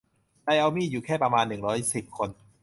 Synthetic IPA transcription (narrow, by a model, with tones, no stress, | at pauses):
da˧jʔa˧wmiː˥˩juː˨˩kʰɛː˥˩pɾa˧maː˧nːɯ˨˩ŋɾɔː˦˥jsi˨˩p̚kʰo˧n